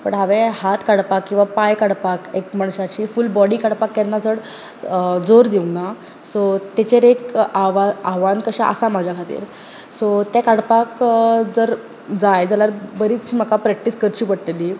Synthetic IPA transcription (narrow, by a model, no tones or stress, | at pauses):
pə̰ɳɦaʋehat̪kaɽpakːĩw̃ʋapajkaɽpakekmaɳɕat͡ɕiːfulbɔɽikaɽpakːɛnːad͡zəɽ | d͡zoɾd̪iuna | sot̪et͡ɕeɾekaʋaaʋankəɕaʔə̰samad͡ʑʱjakʰat̪ḭːɾ | sot̪jakaɽpakd͡zəɾ | d͡zajd͡zaljaɾbəɾiːt͡sməkapɾɛk̚ʈiskəɾt͡ɕiːpəɽt̪eli